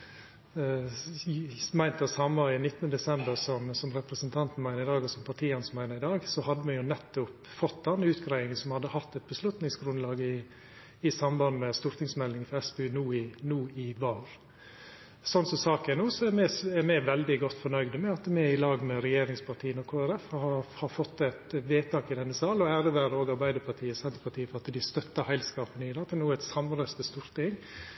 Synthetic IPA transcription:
mæɪnt̪əsɑməɪnɪt̪ːənəd̪ɛsɛmbəɾsɔmsɔmɾɛpɾəsənt̪ʰɑnt̪n̩mæɪnəɪd̪ɑːɡɔsɔmpʰɑʈʰiːɛnsmæɪnəɪd̪ɑːɡsɔhɑd̪ːəmɛjʊnɛt̪ːʊpfɔt̪ːd̪ɛnːʉːt̪ɡɾæɪɪŋəsɔmhɑd̪ːəhɑt̪ːɛt̪̚bəslʉt̪nɪŋsɡɾʉnlɑːɡɪ | ɪsɑmbɑnmɛst̪ʊɾt̪ɪŋsmɛlɪŋfɔɾɛsbɛʉːnuːɪnuːɪʋɑːɾ | sɔnsɔsɑːkænuːsɔɛmɛæɾmɛʋɛld̪ɪɡɔt̪ːfɔɳœʏd̪əmɛɑt̪mɛɪlɑːɡmɛɾɛjeːɾɪŋspʰɑʈ̪ʰiːənɔkʰoːæɾɛfhɑhɑɾfɔt̪ːɛɪt̪ʋeːt̪ʰɑːkɪd̪ɛnːəsɑːlɔæːɾəʋæːɾəoːɡɑɾbæɪd̪əpʰɑʈ̪ʰiːəsɛnt̪əɾpʰɑt̪ʰiːəfɔɾɑt̪d̪ɪst̪œt̪ːəhæɪlskɑːpənɪd̪ɑt̪ʰːɛnuːɛt̪sɑmɾəst̪əst̪uːɾt̪ɪŋ

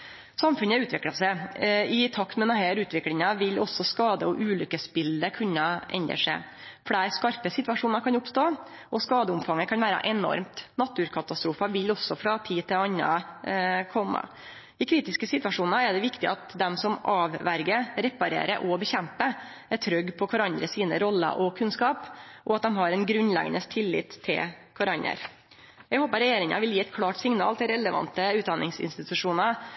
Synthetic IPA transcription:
sɑmfʉnəʉːt̪ʋɪklɑsɛɪt̪ʰɑkt̪mɛnɑhæːɾʉːt̪ʋɪklɪŋɑʋɪlɔsːɔskɑːd̪əɔʔʉːlʏkːəsbɪld̪əkʰʉnːɑʔɛ̰nd̪ə̰ʂæ̰ɪ | fɽæːɾskɑɾpəsɪt̪ʋɑʂuːnɑɾkʰɑnʊpst̪oː | ʔɔskɑːd̪əʊmfɑŋːəkʰɑnʋæːɾɑ̰ʔɛnɔ̰ɾmt̪nɑt̪ːʉːɾkʰɑt̪ɑst̪ɾuːfɑʋɪlɔsːɔfɾɑt̪ʰiːt̪ʰɪlɑnːɑ̰ | kʰɔmːə̰ | ɪkʰɾiːt̪ɪskəsɪt̪ʋɑʂuːnɑæɖɛʋɪkt̪ɪɑt̪d̪ɛmsɔmʔɑːʋʋæɾɡəɾɾɛpːɑɾḛːɾəʔɔbəçɛmpə | æt̪ʰɾœɡpʰɔkʰɑɾɑnd̪ɾəsiːnəɾɔlːə̰ʔɔkʰʉnskɑːpʔɔɑt̪̚d̪ɛmɦɑɾɛnɡɾʉnlɛ̰ɡənəst̪ʰɪlːɪ̰ːt̪ʰːɪ̰lkʰɑɾɑnə̰ɾ | jɛɡhoːpəɾɛjeːɾɪŋɑ̰ʋɪljiːɛt̪̚kʰlɑːʈsɪŋnɑ̰ːlt̪ʰɪlɾɛləʋɑ̰nt̪əʉːt̪d̪ɑnɪŋsɪ̰nst̪ɪt̪ʉʂuːnɑ

